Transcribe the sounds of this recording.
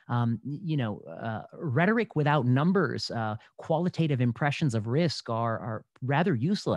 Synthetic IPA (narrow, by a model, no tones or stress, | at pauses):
ʌjɨñoʊ | ɹɛɾə˞ɨkwɨθaʊtⁿnʌ̃mbə̰˞z̥kʰw̥ɑlˠətʰeɪɾɨvɨ̃mpʰɹ̥ɛʃɨ̃n̩zʌvɹɪskə˞ə˞ | ɹæðə˞jʉslə̰